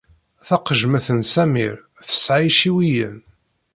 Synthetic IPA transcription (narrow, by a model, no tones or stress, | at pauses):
θɑqəʒmæθənsæmiɾ | θə̥sʕaijʃiwijən